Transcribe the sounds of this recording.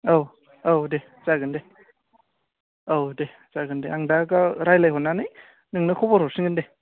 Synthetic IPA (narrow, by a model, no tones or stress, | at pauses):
ow | owde | zaɡɯnde | owde | zaɡɯndeaŋdaɡaɾajlajɦɔnːanɯj | nɯŋnɯkʰɔbɔɾɔsiŋɡɯnde